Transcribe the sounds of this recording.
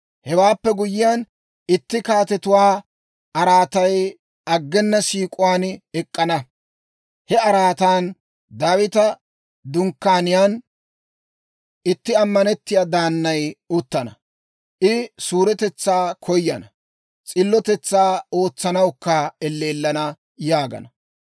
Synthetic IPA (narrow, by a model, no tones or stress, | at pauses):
hɛwaːpːɛɡʊjɪjan | ɪt̪ːɪkaːt̪ɛt̪ʊwaː | ʔɐɾaːt̪ɐj | ɐɡːɛnːɐsiːkʼʊwaːnɛkʼːɐnɐ | hɛɐɾaːt̪aːn | d̪aːwɪt̪ɐ | d̪ʊŋkːaːnɪjaːn | ʔɪt̪ːɪɐmːɐnɛt̪ːɪjaːd̪aːnːɐjʊt̪ːɐnɐ | ʔɪsuːɾɛt̪ɛt͡sːaːkʰɔjːɐnɐ | t͡sʼɪlːɔt̪ɛt͡sːaːo̞ːt͡sːɐnɐwkːɐɛlːeːlːɐnɐ | jaːɡɐ̰nɐ